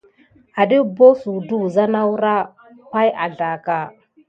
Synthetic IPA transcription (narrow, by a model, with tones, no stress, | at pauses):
a˨ɗi˦bo˦su˨du˦˨za˦na˦wu˦ɾa˦ | hʷa˦ja˨ɮa˨ka˨